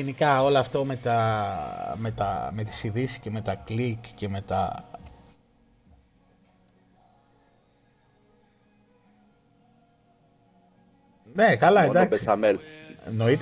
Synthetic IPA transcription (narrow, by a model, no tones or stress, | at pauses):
enikɐo̞lɐːft̪o̞me̞t̪ɐ | me̞t̪ɐ̰me̞t̪i̥siðisi̥sceme̞t̪ɐklikce̞me̞t̪ɐ̰ | ne̞kɐlɐend̪ɐkesɐmelno̞it̪